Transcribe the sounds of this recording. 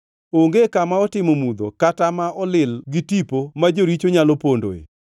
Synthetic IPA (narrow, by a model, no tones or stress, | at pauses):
oŋɡekamaɔtɪmomud̪okatamaʔɔlɪlɡɪtipomad͡ʒoɾit͡ʃoɲalɔpondo̰ḛ